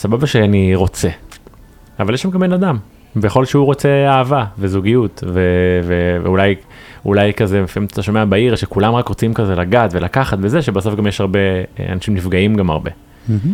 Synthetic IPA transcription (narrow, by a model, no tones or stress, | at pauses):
sababaʃeaniʁo̞t͡se | avaljeʃamɡambenad̪am | bejaχo̞lʃeuʁo̞t͡seaːvavezuɡijut̪vevevḛulaj | ṵlajkazemefimt̪ḁt̪aʃo̞meabaiʁʃekulamʁakʁot͡simkazelaɡat̪ve̞lakaχat̪vezeʃebaso̞fɡamjeʃhaʁbe̞̰a̰naʃimnifɡaimɡama̰ʁbe̞̰